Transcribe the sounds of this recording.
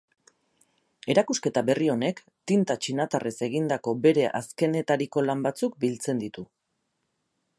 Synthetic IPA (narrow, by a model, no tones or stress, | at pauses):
e̞ɾakuske̞t̪aβe̞rio̞ne̞k | t̪int̪at͡ʃinat̪arese̞ɣ̞ind̪ako̞be̞ɾe̞ʔaske̞ne̞t̪aɾiko̞lambat͡suk̚bilt͡se̞nd̪it̪u